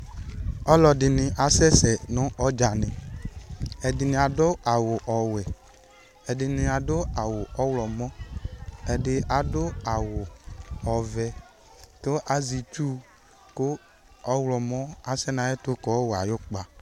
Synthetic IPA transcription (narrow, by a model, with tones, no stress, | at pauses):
ɔ˦lɔ˨dɪ˨nɪ̃˨ʔa˨sɛ˦sɛ˨nʊ̃˦ɔ˦d͡ʒa˨nɪ̃˨ | ɛ˨dɪ˨nɪ̃˨a˨dʊ˦a˨wʊ˨ʔɔ˨wɛ˨ | ɛ˨dɪ˨nɪ̃˨a˨dʊ˦a˨wʊ˨ʔɔ˦wlɔ˨mɔ̃˦ | ɛ˨dɪ˨ʔa˨dʊ˦a˨wʊ˨ɔ˨vɛ˨ | kʊ˦ʔa˨zi˨t͡ʃu˦ | kʊ˦ | ɔ˦wlɔ˨mɔ˦a˨sɛ˦nã˨˦ɛ˦tʊ˦kɔ˨˦wa˨jo˦k͡pa˨